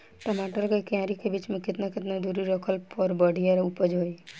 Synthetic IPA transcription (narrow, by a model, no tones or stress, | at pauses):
ʈomaːʈəlkekãːɾikebiːt͡ʃmẽkɪt̪nakɪt̪nad̪uːɾiɾokʰəlpɔɾbəɽ̤ijaɾupəd͡ʒɦoːi